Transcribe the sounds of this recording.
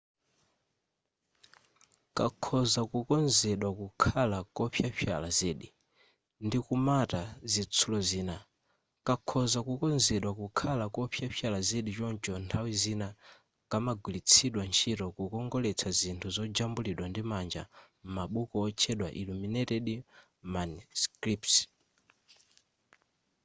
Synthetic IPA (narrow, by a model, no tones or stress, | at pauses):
kakʰɔzakukɔnzɛɗwakukʰalakɔɸʰjaɸʰja̰lazɛːɗi | ndikumatazit͡sʰulɔziːna | kakʰzakukɔnzɛɗwakukʰalakɔɸʰjaɸʰjalazɛɗit͡ʃɔnt͡ʃɔntʰawizina | kamaɡwilit͡sʰiɗwant͡ʃʰitɔkukɔŋɡɔlɛt͡sʰazintʰuzɔd͡ʒambuliɗwandimand͡ʒa̰ | m̩maɓukɔːt͡ʃʰɛɗwa̰ʔiluminɛtɛɗi | manuskɾipt